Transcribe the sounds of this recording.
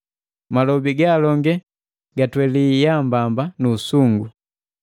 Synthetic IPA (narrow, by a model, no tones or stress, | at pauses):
malɔbiɡaːlɔŋɡɛ | ɡatwɛlijambambanusuŋɡu